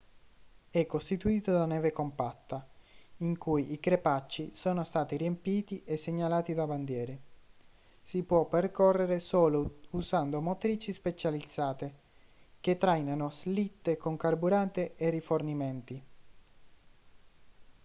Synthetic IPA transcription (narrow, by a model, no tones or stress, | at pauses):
ɛkːost̪it̪uiːt̪od̪anɛːvekompat̪ːaiŋkujikɾepat͡ʃːisoːnost̪aːt̪iriempiːt̪iʔesːeɲːalaːt̪id̪aband̪jɛːɾe | sipwɔpːerkɔrːeɾesoːlousand̪omot̪ɾiːt͡ʃispet͡ʃalid̪zːaːt̪e | k̟et̪ːɾajnanoslit̪ːekoŋkarbuɾant̪eʔerːifornimɛnt̪i